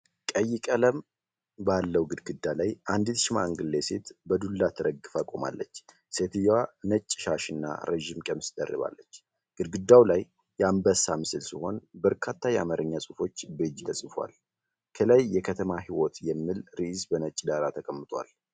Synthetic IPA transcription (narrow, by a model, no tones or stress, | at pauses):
kʼəjːɪkʼələm | balːəwɡɨd̪ɡɨd̪ːalajʔand̪it̪ʃmaɨŋɡɨlːese̞t̪bəd̪ulːat̪ʰɨɾəɡɨfakʼoma̰lːət͡ʃː | se̞t̪ʰɨjwanət͡ʃʼːʃaʃɨnːa̰ɾʔeʒimkʼəmɨsd̪ə̰rːɨ̰βa̰lːət͡ʃː | ɡ̥ɨd̪ɡɨd̪ːawlajː | ɛambəsamɨsɨlsiho̞nbəɾkʰat̪ʰːajɛa̰maɾʔɨɲːasʼufo̞t͡ʃːbɨd͡ʒt̪ʰəsʼɨfwa̰l | kʰələjːɛkʰət̪ʰəmaɦiwot̪jɛmːɨlɾizbənət͡ʃʼd̪aɾat̪ʰəkʼəmːɨt̪ʰʼwa̰l